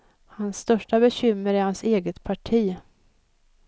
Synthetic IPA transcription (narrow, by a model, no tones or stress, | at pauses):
hansːt̪œʂʈabɛɕʏmːəɾɪhanseːɡət̪pʰaʈʰiː